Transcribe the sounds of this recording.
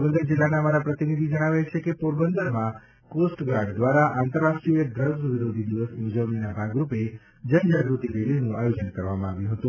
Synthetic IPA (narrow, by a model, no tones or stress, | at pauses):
bənd̪əɾd͡ʒɪlːanamaɾapɾət̪inid̪ʱid͡ʒəɽ̃aʋajt͡ʃʰekepuɾbənd̪əɾmã | kosʈɡaɖd̪ʋaɾaʔant̪əɾːaʃʈɾiəd̪ɾəɡʋiɾod̪ʱid̪iʋəsud͡ʒəʋninabʱaɡɾupe | d͡ʒənd͡ʒaɡɾut̪ibelinũajod͡ʒənkəɾʋamãaʋjũɦət̪ũ